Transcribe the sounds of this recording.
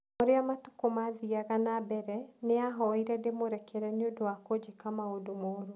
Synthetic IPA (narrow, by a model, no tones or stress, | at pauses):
oɾeamatu̥komaðiaɣanabɛɾɛneaɦɔiɾɛdemoɾɛkʰɛɾɛneodowakod͡ʑekamaodomɔɾo